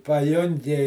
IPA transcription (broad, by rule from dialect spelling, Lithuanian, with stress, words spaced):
pɐˈjʊŋʲɡʲɪ